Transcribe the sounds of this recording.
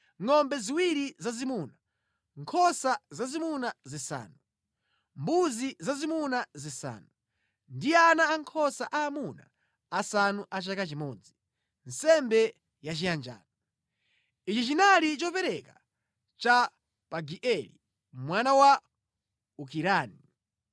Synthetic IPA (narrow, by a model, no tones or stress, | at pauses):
ŋɔmbɛziwiɾizazimuna | ŋkʰɔsazazimunazisa̰ːnu | mbuzizazimunazisa̰ːnu | ndianaːŋkʰɔsaʔaːmuna̰ː | sanuʔat͡ʃakat͡ʃimɔːd͡zi | n̩sɛmbɛ | jat͡ʃijand͡ʒa̰ːnɔ | it͡ʃit͡ʃinalit͡ʃɔpɛɾɛka | t͡ʃa | paɡiʔɛlḭ | mwanawa | ukiɾaːni